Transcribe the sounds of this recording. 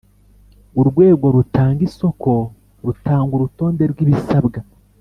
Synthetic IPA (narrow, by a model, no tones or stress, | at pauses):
uɾɡwe̞ːɡo̞ɾutʰaːŋɡiso̞kʰo̞ | ɾutʰaːŋɡuɾuto̞ːnde̞ɾɡwiβisabɡa